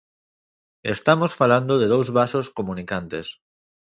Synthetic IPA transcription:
est̪amosfaland̪oðeðowzβasoskomunikant̪es

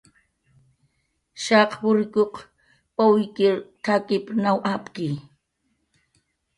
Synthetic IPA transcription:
ʃɑqwʊɾɪkoq | pawɪkɪɾt̪ʰakɪpnawʔapkɪ

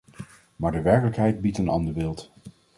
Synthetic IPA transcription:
maːɹdəʋɛɹkələkɦɛjd̚bitənɑ̰ndəɹbɪːlˠt

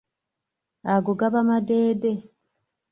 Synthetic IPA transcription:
aɡoɡaβamadeːde

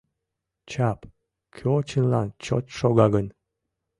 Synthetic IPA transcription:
t͡ɕɑp | kʰøot͡ɕənlɑ̰nt͡ɕo̰t̪ʃoɣɑɣən

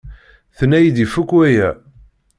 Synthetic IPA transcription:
θənːæjid̪ifukːwæjæ

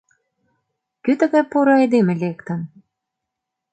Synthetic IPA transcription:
kyt̪ə̆ɣæpoɾɑed̪emĕlekt̪ə̆n

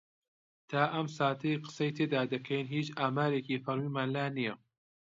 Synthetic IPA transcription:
t̪ʰaːʔɐmsaːt̪ʰɐjqɨ̥sɐjt̪ʰeːd̪aːd̪ɐkʰɐjnɦiːt͡ʃʔaːmaːɾekiːfɐɾmiːmaːnlaːnijɐ

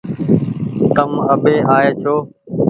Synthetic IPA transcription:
t̪əməɓeːʔaːeːt͡ʃʰoː

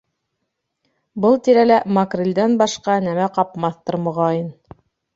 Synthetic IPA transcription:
bɤlˠt̪iɾælæmakrilʲd̪ænbɑʃqɑnæmæqɑpmɑθt̪ɤɾmŏʁɑjɤn

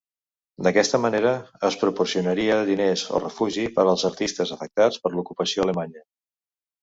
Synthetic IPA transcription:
d̪əkɛst̪əməneɾəəspɾupuɾsiunəɾiəðinezo̰rəfuʒipəɾəlˠzəɾt̪ist̪əzəfək̚t̪at͡spəɾlukupəsioələmaɲə

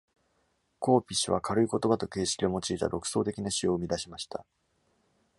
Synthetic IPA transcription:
ko̞ːpʲiɕiβakʰaɾɯ̟iko̞t̪o̞bat̪o̞ke̞ːɕi̥kʲid̪e̞mo̞t͡ɕiːt̪a̰ɾo̞kɯ̟̥so̞ːt̪̬e̞kʲinaɕio̞ɯmʲid̪aɕimaɕi̥t̪a

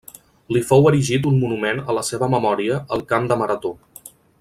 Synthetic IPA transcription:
lifowəɾiʒit̪̬unmunumenələseβəməmɔɾiəːlˠkamd̪əməɾət̪o

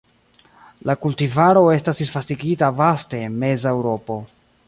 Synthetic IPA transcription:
lakultivaɾo̞e̞stasisfastiɡitavaste̞ːnme̞zaewɾo̞po̞

